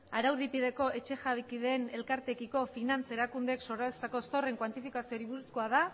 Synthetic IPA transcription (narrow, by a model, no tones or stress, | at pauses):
aɾawðipið̞e̞ko̞e̞t͡ʃe̞ʝaβikið̞eːne̞lkaɾt̪e̞kiko̞finant͡se̞ɾakund̪e̞kso̞ɾaβest̪ako̞st̪o̞re̞ŋkwant̪ifikasio̞ɾiβususkoaða